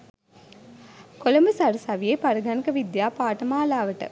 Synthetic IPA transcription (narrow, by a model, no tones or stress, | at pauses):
kolɐməsaɾusɐʋijepaɾɐɡanikəʋid̪jaːpaːʈɐmaːlaːʋəʈə̰